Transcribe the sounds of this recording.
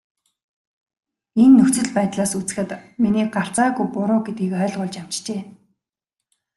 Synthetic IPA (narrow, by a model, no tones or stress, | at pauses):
enːɵxt͡sɘ̆ɮpæːt̪ɮaːsut͡sɘ̆xɘ̆t̪miniːk̚ɢar̥t͡saːɣujpʊɾʊːɡet̪̚ɡiːkœːɮʁʊːɮt͡ɕam̥t͡ɕt͡ɕeː